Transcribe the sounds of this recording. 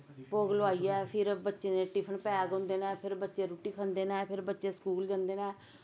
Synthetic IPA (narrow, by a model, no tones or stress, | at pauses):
poːɡloaːiːɛːpʰɪɾbətːʃeːnẽːʈɪpʰənpɛːɡɦõːnd̪eːnãːpʰɪɾbətːʃeːɾuːʈiːkʰə̃nd̪eːnãːpʰɪɾbətːʃeːskuːld͡ʒãːnd̪eːnɛ̃ː